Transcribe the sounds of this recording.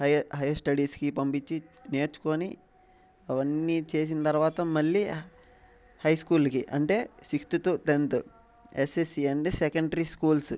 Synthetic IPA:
hɐjɦɐjɐsʈɐɖiːskipɐmpit͡ʃːine̞ːɾt͡ʃu̥koːni | ɐʋɐnːit͡ʃe̞ːs̬inɐt̪ɐɾʋaːt̪ɐmɐɭːi | hɐjskuːlkiʔɐɳʈe̞ːsikst̪it̪ut̪ent̪ | esesieɳɖsɛkɐɳɖɐɾiskuːls

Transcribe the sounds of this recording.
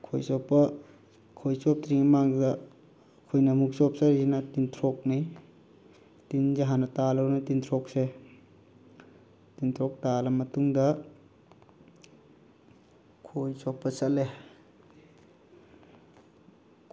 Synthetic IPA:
kʰojsɔpːɐ | kʰojsɔp̚tɾiŋmaŋdɐː | kʰojnɐmuk̚sɔp̚saɾzinɐtintʰɾɔk̚ni | tind͡ʒaɦanɐtalawnatint̪ʰɾɔk̚se | tintʰɾɔk̚talɐmɐtuŋdɐ | kʰojsɔpːɐsɐle

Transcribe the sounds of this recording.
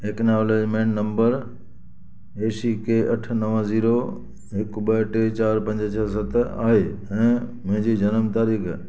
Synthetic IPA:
eːknaːleːd͡ʑmẽːɳʈnə̃mbəɾ | eːsikeʔɐʈʰnəʋə̃ziːɾo | ɦɪkɓəʈet͡ɕaːɾpɐ̃ɲd͡ʑt͡ɕʰəsət̪ʰa̰ːɦeːɛ̃ːmʊ̃ɦɪ̃ɲd͡ʑiːd͡ʑɐnəmt̪aːɾiːkʰ

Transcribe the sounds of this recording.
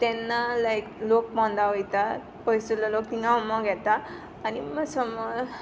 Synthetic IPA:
t̪enːalajklok̚mʌ̃nd̪aɦojt̪a | pʌjsulalok̚t̪iŋɡawmʌɡʱet̪aː | nimʌsʌmːʌ

